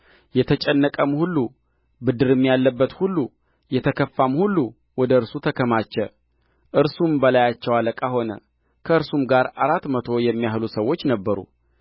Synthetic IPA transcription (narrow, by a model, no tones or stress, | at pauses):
jɛt̪ʰət͡ʃʼɛnːəkʼəmhulːu | bɨd̪ɨɾɨmːijalːəbːət̪hulːu | jɛt̪ʰəkʰəfːamhulːu | wɔd̪əɨɾsut̪ʰəkʰəmat͡ʃːɛ | ʔɨɾsumbəlajat͡ʃːɛwaləkʼaho̞nə̰ | kʰəɨɾsumɡaɾaɾat̪ːmət̪ʰo̞jɛmːijahlusəwo̞t͡ʃːnəbːəɾṵ